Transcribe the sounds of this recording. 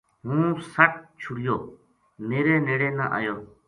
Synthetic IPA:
ɦũːsəʈ̚t͡ʃʰʊɽɪjoː | meːɾeːneːɽeːna̰ʔa̰ːjoː

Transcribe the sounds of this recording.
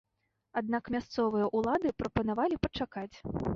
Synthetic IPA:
ad̪̚nakmʲast̪sɔvɨjɐʔulˠad̪ɨpɾɐpɐnavalʲipɐt͡ʂakat͡sʲ

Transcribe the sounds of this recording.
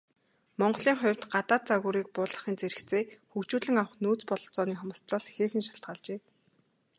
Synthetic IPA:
mɔɴɢɞ̆ɮiːŋχʊ̟wʲt̪ɢat̪aːt̪̚t͡saɣuːɾiːk̚pʊːɮə̆χiːnt͡seɾɘ̆kt͡seːxukt͡ɕuːɮɘ̆ŋaw̆χnuːt͡spɔɮɞ̆ɬt͡sɔːniːχʊmə̆st̪raːsxeːxɘ̆nʃḁɬt̪̚ɢaːɮt͡ɕeː

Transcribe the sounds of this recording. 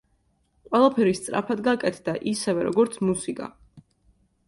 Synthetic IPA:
qʼwɛlˠapʰɛɾist̪sʼɾa̰pʰad̪ɡakʼɛt̪ʰd̪aʔisɛvɛɾɔ̰ɡɔɾt̪sʰmusikʼa̰

